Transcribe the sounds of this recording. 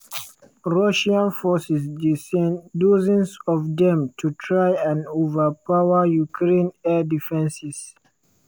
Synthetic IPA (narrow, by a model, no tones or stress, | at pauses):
ɹɔʃiãnfɔsɛs | dozĩnsɔvdɛ̃mtʰutʰɹajãnovəpawəjukʰɹẽnɛdifɛ̃nsis